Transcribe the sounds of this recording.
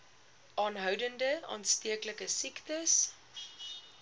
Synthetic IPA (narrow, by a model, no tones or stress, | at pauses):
ʔɑːnɦœwdəndəʔɑ̰ːnstiəkləkəsiktəs